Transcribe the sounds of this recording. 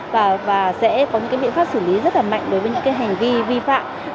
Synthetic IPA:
vaː˨˩vaː˨˩sɛ̰˧˥kɔ˨˦ɲɨ̰˧˥kːjɓḭ˧˨nfaː˦˥p̚sɨː˧˩li˨˦zə˦˥t̚laː˨˩ma̰˧˨jŋ̟ɗo˨˦jvəː˨˦ɲɨ̰˧˥ŋkaː˨˦jɦa˨˩jŋ̟vi˧vi˧fa̰ː˧˨m

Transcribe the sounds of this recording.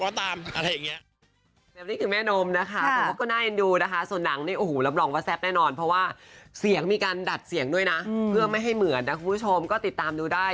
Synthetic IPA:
waː˦˩t̪aː˧mʔa˧ɾa˦jːa˨˩ŋːi˦˥ɐ | bɛː˨˩p̚niː˥˩kʰɯː˧mɛː˥˩noː˧mna˦˥kʰa˦˥˦ɔː˥˩kɔː˥˩naː˥˩je˧nduː˧na˦˥kʰa˦˥su˨˩ənːa˩˦ŋniː˥˩ʔoː˨˩hːla˧mlɔː˧ŋwɔː˧˦t̪̚sɛ˦˥p̚nɛː˥˩nɔː˧npʰɾɔ˦˥waː˥˩si˨˩˦əŋmiː˧kaː˧nda˨˩t̪̚si˨˩˦əŋdu˥˩əjna˦˥pʰɯ˥˩ɐəma˥˩jɦa˥˩jmɯ˩˦ənːa˦˥kʰu˧npʰu˥˩t͡ɕʰo˧mkɔː˥˩t̪i˨˩t̪ːaː˧mduː˧daː˥˩j

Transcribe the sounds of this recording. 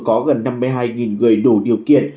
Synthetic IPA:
kɔ˨˦ɣə˨˩nːa˧mːɨ˧jɦaː˧jŋi˨˩nŋɨ˨˩əjɗu˧˩ɗi˨˩əwkḭ˧˨ən

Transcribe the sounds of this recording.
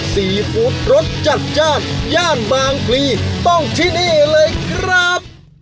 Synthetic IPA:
siː˨˩˦fuː˦˥t̪̚ɾo˦˥t̪̚t͡ɕa˨˩t̪̚t͡ɕaː˥˩t̪̚jaː˥˩nbaː˧ŋkʰliː˧t̪ɔ˥˩ŋt̪ʰiː˥˩niː˥˩lɤː˧jkʰɾa˦˥p̚

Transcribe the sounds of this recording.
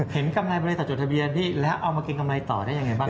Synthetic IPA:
he˩˦nka˧mlaː˧jbɔ˧leː˧t̪ɔː˨˩o˨˩t̪ʰbi˧ənt̪ʰiː˥˩lɛː˦˥wʔa˧wmaː˧ke˧nka˧mla˧jt̪ɔː˨˩daː˥˩jŋa˧jbaː˥˩

